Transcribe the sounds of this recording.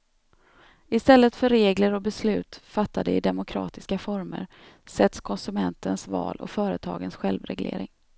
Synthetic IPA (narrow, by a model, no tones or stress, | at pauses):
ɪst̪ɛlːət̪fœɾːeːɡləɾɔbɛslʉ̟ːt̪fat̪ːad̪əɪd̪ɛmʊkʰɾɑ̰ːt̪ɪskafɔɾmə̰ɾ | sɛt̪skʰɔnsɵmɛnt̪ənsvɑ̰ːlʔɔ̰fœːɾət̪ʰɑ̰ːɡənsɧɛlvɾɛɡlḛːɾɪ̰ŋ